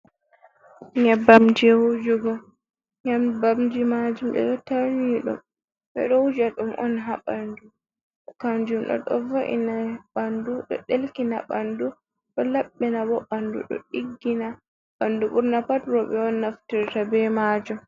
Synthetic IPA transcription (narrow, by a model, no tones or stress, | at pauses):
ɲabamd͡ʒwud͡ʒuɡɔ | ɲambamd͡ʒimad͡ʒumɗɛ̰ɗɔtaɾiɗṵm | ɓɛ̰ɗɔud͡ʒaɗumʔɔnɦaɓandu | kand͡ʒumɗɔ̰ɗɔ̰voʔḭnaɓanduɗɔ̰ɗelkinaɓandu | ɗɔlaɓːinabɔɓandṵɗɔ̰ɗiɡːina | ɓanduɓuɾnapatɾɔɓɛɔnːaftiɾtabɛmad͡ʒum